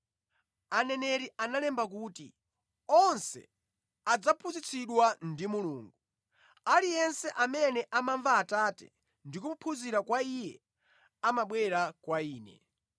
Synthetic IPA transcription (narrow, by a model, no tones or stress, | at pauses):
anɛnɛɾianalɛmbak̬uːtḭ | ɔnsɛ̰ | ad͡zapʰuzit͡sʰiɗwandimuluːŋɡu | alijɛnsɛʔamɛnɛʔamaɱvaːtatɛ̰ | ndikumupʰuziɾakwaijɛ | amaɓwɛɾakwaiːnɛ̰